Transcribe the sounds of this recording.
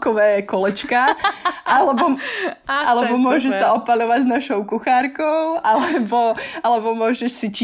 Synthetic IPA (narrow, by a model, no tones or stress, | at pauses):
kɔʋɛːkɔlɛt͡ʃkaʔalɛbɔ | ʔalɛbɔmʊɔʒɛʃsaɔpalɔʋaɟznaʃɔʊkuxaɾkoʊʔalɛboalɛbɔmʊɔʒɛʃsit͡ʃː